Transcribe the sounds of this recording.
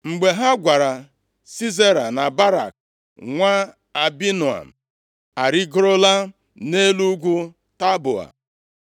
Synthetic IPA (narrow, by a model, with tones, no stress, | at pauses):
ŋ͡m̩˨ɡ͡be˨ɦa˦ɡʷa˨ɾa˨ | si˦ze˦ɾa˨na˨ba˦ɾa̰˨k | ŋʷa˦ | a˨bi˦nu˨a̰˨m̩˨ | a˨ɾi˦ɡɾo˦la˦ | ne˦lu˦ɡʷu˦ | ta˦bʊ̰˨a̰˨